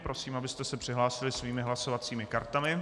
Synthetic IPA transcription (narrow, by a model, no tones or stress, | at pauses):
pɾo̞siːmabɪst̪ɛsɛpr̥ɪɦlaːsɪlɪsviːmɪɦlaso̞vat͡siːmɪkaɾt̪amɪ